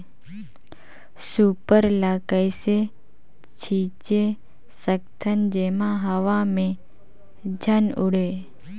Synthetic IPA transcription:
supəɾlakəjse | t͡ʃʰit͡ʃe | səkt̪ʰənd͡ʒemãɦəʋamẽ | d͡ʒʱənʊɽe

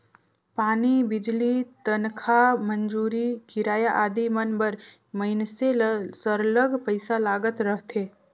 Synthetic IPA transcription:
paːnibɪd͡ʒlit̪ənkʰamənd͡ʒuːɾikɪɾaːjaʔaːd̪imənbəɾ | məɪnsesəɾləɡpəɪsalaːɡət̪ɾəɦt̪ʰeː

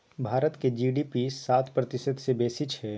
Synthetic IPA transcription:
bʱaːɾət̪ked͡ʒiːɖiːpisaːt̪ʰpɾɐt̪ɪsəd̪sebeːsɪt͡ʃɦɛː

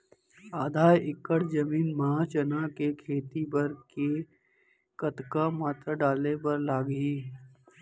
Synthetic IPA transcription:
aːd̪ʱaːjɪkːəɽd͡ʒɐmiːnmɐɦaːt͡ʃɐnakekʰeːt̪ibɐɾke | kɐt̪kamaːt̪ɾaɖaːlebɐɾlaːɡiː

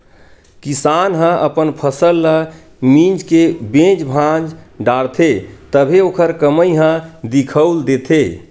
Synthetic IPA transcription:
kisanɦə̃ʔəpənpʰəsəlːə | mĩd͡ʒkebẽd͡ʒbʱãd͡ʒɖaɽt̪ʰet̪əbʱeokʰəɾkəməjɦə̃d̪ikʰəʊld̪et̪ʰe

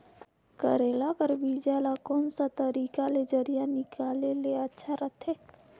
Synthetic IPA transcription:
kəɾeːlakəɾbiːd͡ʒalakɔːnsat̪əɾiːkaled͡ʒɐɾijanɪkaːleleɐtːʃʰaɾət̪ʰeː

